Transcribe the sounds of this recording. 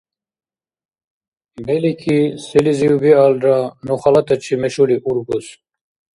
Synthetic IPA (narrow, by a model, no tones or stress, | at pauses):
bɛlikʰisɛliziubialɾanuχalat̪ʰʼɛt͡ʃʰimɛʃuliʔuɾɡus